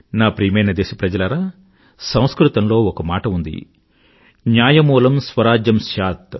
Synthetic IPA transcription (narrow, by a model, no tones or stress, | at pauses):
naːpɾiːmɐjnɐd̪eːʃɐ̥pɾɐd͡ʒɐlɐɾaː | sɐ̃w̃skɾut̪ɐmlo̞ːɔkɐmaːʈɐund̪ḭ | njaːjɐmuːlɐmsʋɐɾaːd͡ʒjɐmʃaːt̪